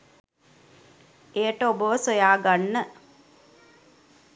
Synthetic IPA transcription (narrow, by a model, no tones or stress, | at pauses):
ejəʈəobəʋəsojaːɡanːə